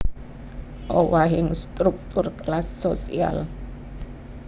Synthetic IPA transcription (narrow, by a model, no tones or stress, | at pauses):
ʔowaɦɪŋst̪ɾuk̚t̪ʊrklasːosia̰l